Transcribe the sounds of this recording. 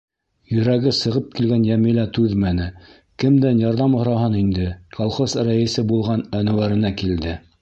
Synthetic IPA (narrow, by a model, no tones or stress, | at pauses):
jɵ̆ɾæɡɘsɤ̆ʁɤp̚kilɡænjæmilæt̪ʉðmænɘ | kɘmd̪ænjɑɾðɑmhŏɾɑɦɤnind̪ɘkolˠχosɾæjɘ̆sɘbulˠʁɑnænɘ̆wæɾɘ̆nækild̪ɘ